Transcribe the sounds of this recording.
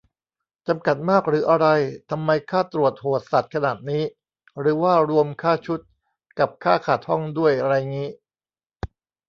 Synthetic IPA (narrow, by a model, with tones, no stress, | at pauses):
t͡ɕa˧mka˨˩t̪̚maː˥˩k̚ɾɯː˩˦ʔa˧ɾa˧jt̪ʰa˧mːa˧jkʰaː˥˩t̪ɾu˨˩ət̪̚hoː˨˩t̪̚sa˨˩t̪̚kʰa˧naː˨˩t̪̚niː˦˥ | ɾɯː˩˦waː˥˩ɾu˧əmkʰaː˥˩t͡ɕʰu˦˥t̪̚ | ka˨˩p̚kʰaː˥˩kʰaː˨˩t̪̚hɔ˥˩ŋdu˥˩əjɾaː˧jŋiː˦˥